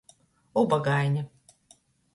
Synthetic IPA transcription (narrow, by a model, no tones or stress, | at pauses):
ubaɡajnʲa